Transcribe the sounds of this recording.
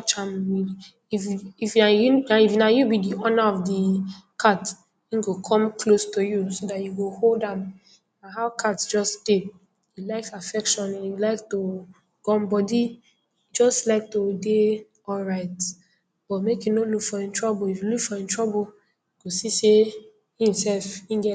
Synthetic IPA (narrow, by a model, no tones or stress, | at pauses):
t͡ʃãmwi | iifajuaifnajubidiɔnaɔfdikʰat | ĩnɡokʰɔ̃mkʰlostojusodatjuɡoholdãm | naɦaʊkʰatsd͡ʒɔsd̥e | julaɪksafɛkʃɔ̃nijulaɪk̚to | ɡ̥ɔ̃nbɔdi | d͡ʒɔstlaɪk̚tode | ɔlɹaɪt | b̥ɔtmekjunolukfɔĩntʰɹɔboifjulukfɔĩntʰɹɔbo | uɡ̥osise | hĩmsɛlfĩnɡɛ